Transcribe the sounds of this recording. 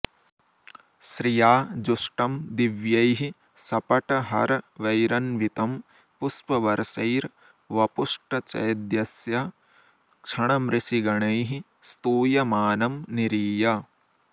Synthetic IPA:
ʃɾijaːd͡ʒuʂʈɐmd̪iʋjɐjɦi | sɐpɐʈɐɦɐɾʋɐjɾɐnʋit̪ɐm | puspɐʋɐɾsɐjɾ | ʋɐpuʂʈɐt͡ʃɐ̰jɐd̪jɐsjɐ | kʂɐɳ̃ɐmɾɪsiɡɐɳɐjɦi | st̪uːjɐmaːnɐmniɾiːjɐ

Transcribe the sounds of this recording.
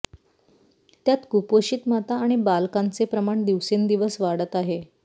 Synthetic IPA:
t̪jat̪kupoɕiːt̪mat̪aːɽ̃ibalkant͡sepɾəmaɳd̪iʋsend̪iʋəsʋaɽət̪aɦe

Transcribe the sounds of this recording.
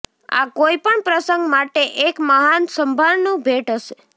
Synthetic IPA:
a̰koipəɳpɾəsəŋɡmaʈeʔekməɦansəmbʱaɭnũbʱeʈɦəʃe

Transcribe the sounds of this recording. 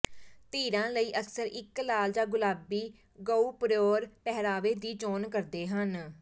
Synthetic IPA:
t̪iːɾãːləiːʔəksəɾɪklaːld͡ʒaːɡʊlaːbiː | ɡəuːpɾoːɾpɛɦɾaːʋeːd̪iːt͡ʃoːnkəɾd̪eːɦən

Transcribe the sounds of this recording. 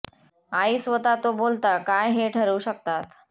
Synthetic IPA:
aisʋət̪at̪obolt̪akajɦeʈʰəɾuːɕək̚t̪at̪

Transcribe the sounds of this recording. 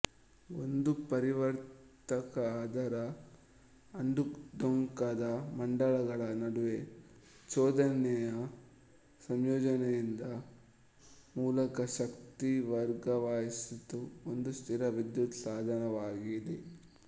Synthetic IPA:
ond̪upɐɾiʋɐɾt̪ɐkɐaːd̪ʱɐɾɐː | ɳɖukd̪oŋkad̪ɐmɐɳɖɐɭɐɡɐɭɐnɐɽuʋe̞ | t͡ʃɔːd̪ʱɐnɛjɐ | sɐmjɔːd͡ʒɐnɛjind̪ɐ | muːlɐkɐʃɐkt̪iʋɐɾɡɐʋaːjisit̪ːuond̪ust̪ʰiɾɐʋid̪jut̪saːd̪ʱɐnɐʋaːɡid̪e

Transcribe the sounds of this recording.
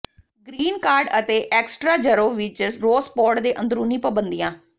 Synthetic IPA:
ɡɾiːnkaːɾɖət̪eːʔɛːksʈɾaːd͡ʒəɾoːʋɪt͡ʃɾoːspɔːʈd̪eːʔə̃nd̪əɾuːnĩːpəbənd̪ijãː

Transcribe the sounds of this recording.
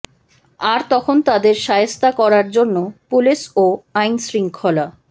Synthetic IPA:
aɾt̪ɔkʰont̪ad̪eɾʃajest̪akɔɾaɾd͡ʑonːopuliʃoajnsɾiŋkʰola

